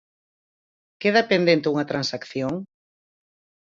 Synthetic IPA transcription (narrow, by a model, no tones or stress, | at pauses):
keðapend̪ent̪euŋɐt̪ɾansakθjoŋ